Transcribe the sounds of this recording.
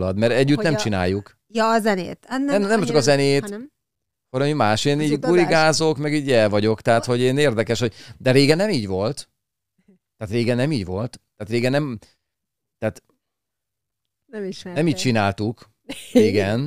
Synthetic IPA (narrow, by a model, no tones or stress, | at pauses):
lɒd̪mɛɾɛɟːyt̪nɛmt͡ʃina̰ːjːuk | jɒzɛnḛːt̪anɛmnɛmt͡ʃɒkɒzɛneːt̪ | koɾmimaːʃeːniːɟɡuɾiɡaːzokmɛɡiːɟɛlvɒɟo̞kt̪ɛɦat̪ho̞ɟeːneːrd̪ɛkɛʃho̞ɟd̪ɛɾeːɡɛnːɛmiːɟvo̞lt̪ | t̪aːt̪reːɡɛnːɛmiːɟvo̞lt̪ːaːt̪reːɡɛnːɛm | t̪ɛaːt̪ | nɛmiːt͡ʃinaːlt̪uk | iɡɛn